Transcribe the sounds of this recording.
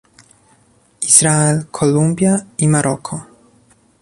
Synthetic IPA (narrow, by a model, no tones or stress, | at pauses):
iz̥ɾaɛlkʰɔlumbʲjaimaɾʔɔkʰɔ